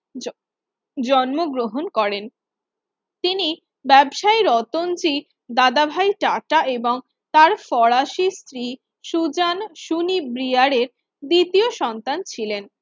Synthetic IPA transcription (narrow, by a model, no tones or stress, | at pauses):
d͡ʑɔnmoɡɾoɦonkɔɾen | t̪ini | bɛbʃaiɾɔt̪ond͡ʑi | d̪ad̪abʱajʈaʈaʔeboŋ | t̪aɾfɔɭaʃist̪ɾi | ʃud͡ʑanʃunibɾiaɽeɾ | d̪it̪ioʃɔnt̪ant͡ɕʰilen